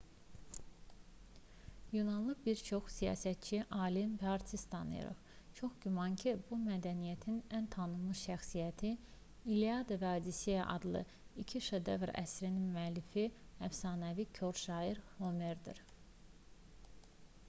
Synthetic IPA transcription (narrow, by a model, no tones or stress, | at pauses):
junɑnlˠɯbiɾt͡ʃʰo̞χsijɑ̰ːsæt̪̚t͡ʃʰiʔɑːlimpɑɾt̪ʰist̪ʰɑnɯ̰jɯ̰ɾɯ̰χ | t͡ʃʰo̞χɟumɑncʰibumæd̪ænijæt̪ʰinænt̪ʰɑnɯmɯʃæxsijæt̪ʰi | iliɑd̪evɑːd̪isijæʔɑ̰d̪lˠɯ̰ | icʰiʃed̪evɾæ̰sɾininmyælːifiæfsɑːnævicʰo̞ɾʃɑːiɾhomeɾd̪iɾ